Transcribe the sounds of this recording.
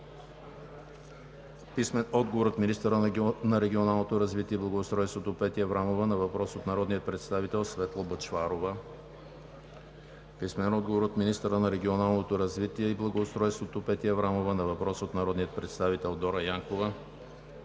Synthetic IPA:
pismɛnɔd̪ɡovoɾot̪minist̪əɾənɐɾɛɡʲionalˠnot̪oɾɐzvit̪iɛblˠɐɡoːst̪ɾɔjst̪vot̪opɛt̪iɐvɾamovənɐvɐpɾɔsot̪nɐɾɔd̪nijət̪̚pɾɛt̪st̪avit̪ɛlˠsvɛt̪lˠobət͡ʃfaɾovə | pismɛnɛnɔd̪̚ɡovoɾot̪minist̪əɾənɐɾɛɡʲionalˠnot̪oɾɐzvit̪iɛiblˠɐɡoːst̪ɾɔjst̪vot̪opɛt̪iəvɾamovənɐvɐpɾɔsot̪nɐɾɔd̪nijət̪̚pɾɛt̪st̪avit̪ɛlˠd̪ɔɾəjaŋkovə

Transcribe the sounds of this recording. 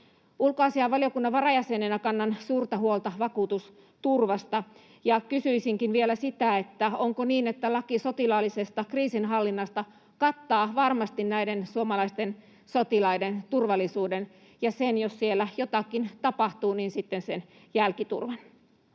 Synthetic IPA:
ulkoɑːsiɑʋɑlijo̞kunːɑʋʋɑrɑjæsenenækɑnːɑnsuːrt̪ɑhuolt̪ɑʋɑkuːt̪us | t̪urʋɑst̪ɑ | jɑkysyisiŋkinʋielæsit̪æet̪ːæoŋkoniːnet̪ːælɑkisot̪ilɑːlːisest̪ɑkriːsinɦɑlːinːɑst̪ɑ | kɑt̪ːɑːʋɑrmɑst̪innæidensuomɑlɑist̪en | sot̪ilɑident̪urʋɑlːˑisuːden | jɑsenjossielːæjot̪ɑkːint̪ɑpɑht̪uːniːnsit̪ːensen | jælkit̪ṵrʋɑn

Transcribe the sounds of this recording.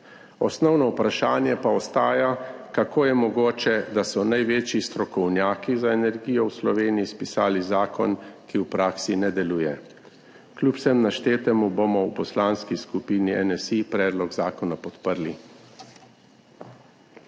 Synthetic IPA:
ɔsnɔwnɔwpɾaʃaːnjɛpaɔst̪aːjakakoːjɛmɔɡoːt͡ʃɛd̪asɔnajʋeːt͡ʃjist̪ɾɔkɔwnjaːkizaenɛɾɡijɔwslɔʋeːnijispisaːlizaːkʰɔ̰nkiwpɾaːksinɛd̪ɛluːjɛ | klʲuːpsɛmnaʃt̪eːt̪ɛmubomɔwpɔslaːnskiskupiːniɛnɛsipɾɛːd̪lɔɡzaːkɔnapɔt̪pəɾli

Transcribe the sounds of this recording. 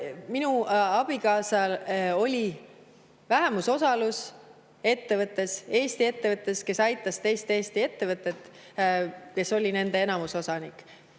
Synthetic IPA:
minuɑb̥ikɑːsɑlo̞lʲi | væɦe̞muso̞sɑlus | e̞t̪ːe̞vɤt̪ːˑe̞se̞ːst̪ie̞t̪ːe̞vɤt̪ˑːe̞ske̞sɑjt̪ːˑɑst̪e̞ːst̪eːst̪ie̞t̪ːe̞vɤt̪ːˑe̞t̪ː | ke̞so̞lʲine̞nd̪e̞e̞nɑmuso̞sɑnikːˑ

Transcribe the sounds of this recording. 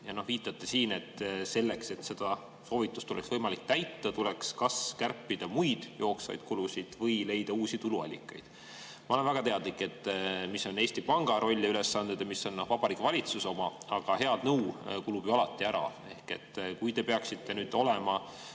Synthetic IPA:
jɑno̞hviːt̪ˑːɑt̪ːe̞siːne̞t̪ːse̞lːe̞kse̞t̪se̞d̪̥ɑ | so̞ːvit̪ːˑu̥st̪ːoleksvɤjmɑlik̚t̪æjt̪ːɑt̪ulekskɑskærpːid̪̥ɑmujd̪̥jo̞ːksvɑ̰jd̪̥kulusid̪̥vɤjle̞jd̪̥ɑuːsit̪uluɑ̰lʲːḭkːˑɑ̰jd̪̥ | mɑole̞nvæɡ̥ɑt̪e̞ɑd̪̥likːˑe̞t̪ːˑmisːo̞ne̞ːst̪ipɑŋɡ̥ɑɾo̞lʲːɑyle̞sːɑnd̪ed̪̥ɑmisːo̞nːo̞hvɑb̥ɑɾikːevɑlʲit̪suso̞mɑɑɡ̥ɑhe̞ɑd̪̥nɤwkulub̥joɑlɑt̪ːˑiæɾɑ̰ | e̞hke̞t̪ːˑkujd̪e̞peɑksit̪ːe̞nyːd̪̥o̞lemɑ

